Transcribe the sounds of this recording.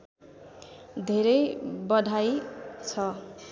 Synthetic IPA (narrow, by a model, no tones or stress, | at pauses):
d̪ʱeɾʌjbʌd̪ʱajt͡sʰʌ